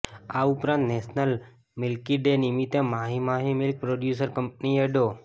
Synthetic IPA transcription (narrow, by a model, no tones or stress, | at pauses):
aupɾãnt̪nesnəl | mɪlkiɖenimit̪emaɦimaɦimilk̚pɾoɖjusəɾkəmp̚nieɖo